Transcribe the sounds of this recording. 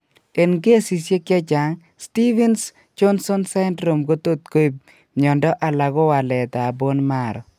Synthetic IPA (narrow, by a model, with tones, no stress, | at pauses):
e˨nɡe˦si˨sje˦kja˦t͡ʃa˨ŋ | sti˦vɛ˦ns | t͡ʃo˦nsɔ˦nsɛ˦ndɾo˨mɡo˦to˦t̪̚ko˦i˨p̚ | ɲɔ˨ndɔ˦ʔa˨la˨ɡɔ˦wa˨lɛ˨t̪a˨a˨bo˦nma˨ɾɔ̰˨